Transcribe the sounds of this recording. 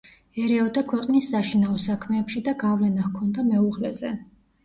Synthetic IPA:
ɛɾɛɔd̪akʰwɛqʼnisːaʃinaɔsakʰmɛːpʃid̪aɡavlɛnahkʰɔnd̪amɛuʁlɛzɛ

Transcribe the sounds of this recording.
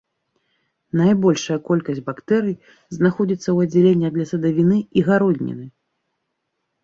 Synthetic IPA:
najbɔlʲʂɐjɐkɔlʲkɐsʲbakt̪ɛɾɨj | znaxɔd͡zʲit̪sːɐwɐd͡zʲːɛlʲenʲːɐd̪lʲɐsɐd̪avʲinɨiɣaɾɔd̪ʲnʲḭnɨ

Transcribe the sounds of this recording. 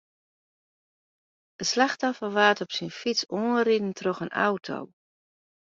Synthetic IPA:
dəslaxtɔfəʋaːtɔpsinfit͡soːnridn̩tʰrɔxənʔa̰wtʰo̰w

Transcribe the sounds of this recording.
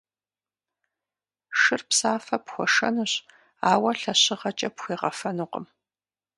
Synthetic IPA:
ʂɨrpsaːfɐpxʷɔʂɐ̰nɨɕ | aːwɐɬɐɕɪʁɐt͡ʃʼɐpxʷiːʁɐfɐnuqə̰m

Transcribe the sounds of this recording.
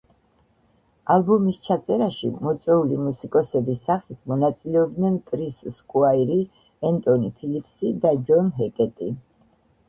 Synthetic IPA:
alˠbumist͡ʃʰat̪sʼɛɾaʃimɔt̪sʼwɛulimusikʼɔsɛbisːaχit̪ʰmɔnat̪sʼilɛɔb̚d̪nɛnkʼɾisskʼuaiɾi | ɛnt̪ʼɔnipʰilipʰsid̪ad͡ʒɔnɦɛkʼɛt̪ʼi

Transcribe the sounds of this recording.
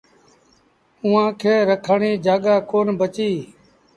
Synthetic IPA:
ʊːãːkʰeːɾəkʰəɳiːd͡ʒaːɠaːkoːnbət͡ʃiː

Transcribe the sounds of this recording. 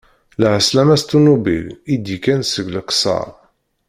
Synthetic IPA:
lʕəslæmæst̪unubḭlid̪ikænsəɡləksɑ̰ɾˤ

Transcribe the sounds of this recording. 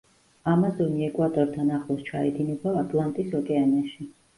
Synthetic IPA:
amazɔniɛkʼwat̪ʼɔɾt̪ʰanaχˠɔst͡ʃʰaɛd̪inɛbaːt̪ʼlˠant̪ʼisɔkʼɛaniaʃi

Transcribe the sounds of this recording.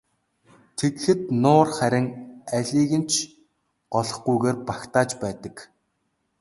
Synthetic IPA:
t̪ʰet̪xɘ̆t̪nʊːrχæɾʲɪ̆ŋæɮʲiːɣɘ̆nt͡ɕʰ | ɢɔɮɞ̆χɡujɣeːrpakt̪aːt͡ɕpæːt̪ə̆k

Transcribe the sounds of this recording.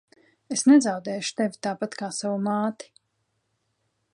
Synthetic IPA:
esnɛzawd̪ɛːjʃu̥t̪evʲit̪aːpat̪kaːsavumaːt̪i̥

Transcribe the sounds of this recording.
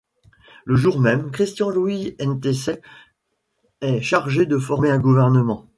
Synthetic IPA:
ləʒuʁmɛmkχist̪jɑ̃luwiɛnt̪ese | ɛʃaʁʒed̪əfɔʁmeɛ̃ɡuvɛʁnəmɑ̃

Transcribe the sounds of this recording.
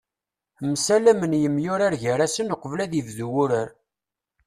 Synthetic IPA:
msælæmənjəmjʊɾaɾʝəɾæsənoqəvlæðivðuwʊɾæɾ

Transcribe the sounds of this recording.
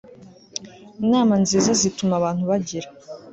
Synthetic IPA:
inaːmanziːzazitumaβaːn̥huβaɟiɾa

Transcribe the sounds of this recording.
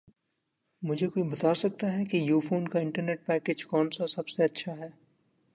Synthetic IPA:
mʊd͡ʒʱekoːibɐt̪aːsɐk̚t̪aɦɛkijuːfoːnkaɪ̃ɳʈəɾneːʈ̚pɛːkeːd͡ʒkɔːnsasɐbseɐtːʃʰaɦɛː

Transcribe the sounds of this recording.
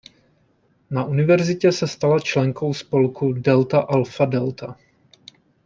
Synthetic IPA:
naʔunɪvɛɾzɪcɛsɛst̪alat͡ʃlɛŋko̞wspo̞lkudɛlt̪aʔalfadɛlt̪a

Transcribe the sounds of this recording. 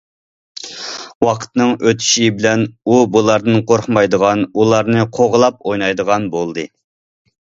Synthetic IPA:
wɑqʰə̥t̪nɨŋøt̪ʰy̥ʃibɪlɛnubulˠɑɾd̪ɨnqʰoɾχmɑjd̪əʁɑnulˠɑɾnɨqʰoʁlˠɑp̚ojnɑjd̪əʁɑnbolˠd̪ɨ

